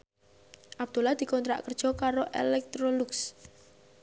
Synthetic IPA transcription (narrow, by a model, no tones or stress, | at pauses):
ʔab̚d̪̥olahd̪̥i̤kɔnt̪ɾa̰ʔkərd̥ʒ̥ɔ̤kaɾoʔḛlɛk̚t̪ɾoluks